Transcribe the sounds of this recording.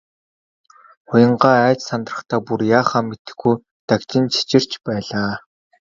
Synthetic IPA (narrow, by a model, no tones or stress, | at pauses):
χʊjə̆ɴɢaːæːt͡ɕsant̪rə̆χt̪ʰaːpurjaːχaːmːet̪ɘ̆xɡuj | t̪akt͡ɕɪ̆nt͡ɕʰi̥t͡ɕɪ̆r̥t͡ɕpæːɮaː